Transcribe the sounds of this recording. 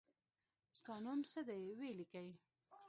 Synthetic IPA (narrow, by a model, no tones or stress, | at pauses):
st̪ɑnomsəd̪ajwelikaj